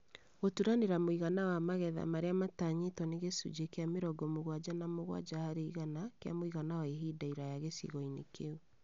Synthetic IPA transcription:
ɣotuɾaneɾamoiɣanawamaɣɛða̰maɾeamataɲetwɔneɣesṵd͡ʒekeameɾɔɡɔmoɣwad͡ʑanamoɣwa̰d͡ʒahaɾeiɣanakea̰moiɣanawaeɦidaiɾajaɣesḭɣɔinekeu

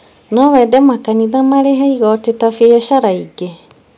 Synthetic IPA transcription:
nɔwɛdɛmakaniðamaɾeɦɛiɣɔtetafejɔʃaɾaiɡe

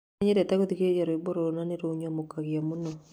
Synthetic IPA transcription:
ɲeɾɛtaɡot̪ikeed͡ʒaɾoiboɾonaneɾoɲamokaɣjamuno

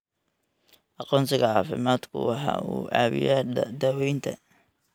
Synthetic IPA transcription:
ʔɑqɔːnsɪɣɐʕɑːfɪmaːd̪kʰʊ̰wɑħɑ̰ːuːʕɑːβɪ̰jad̪ɐːwɛjnt̪ʰɐ̰

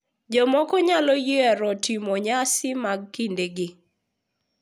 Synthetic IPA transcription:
d͡ʒɔmɔkɔɲalɔjiaɾɔtimɔɲasɪmaɡ̚kindeɡɪ

